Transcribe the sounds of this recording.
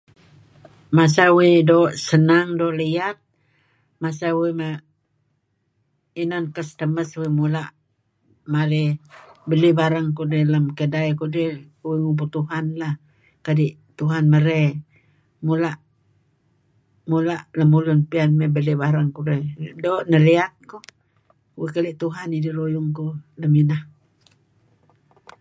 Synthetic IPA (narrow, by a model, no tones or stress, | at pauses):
masawidoʔsənaŋdoʔlijat̪̚ | masawime | inankəst̪əməswimulaʔ | maɾebəlibaɾaŋkudeləmkədaikudewiŋubut̪uɦanla | kadiʔ | t̪uɦanməɾe | mulaʔ | mulaʔləmulʊnpianmebəlibaɾaŋkudedoːʔnəliat̪̚ku | wekəliʔt̪uɦanidəɾojʊŋkuləminah